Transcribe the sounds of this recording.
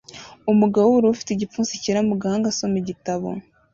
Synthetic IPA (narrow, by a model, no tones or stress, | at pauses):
umuɡawouɾuufi̥teɟipfuːnsiciɾamuɡahaːŋɡaso̞meɟitaβo̰